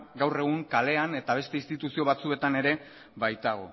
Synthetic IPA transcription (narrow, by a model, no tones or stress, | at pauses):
ɡawre̞ɣ̞uŋkale̞ane̞t̪aβ̞e̞st̪e̞ist̪it̪usio̞βat͡sue̞t̪ane̞ɾe̞ | βajt̪aɣ̞o̞̰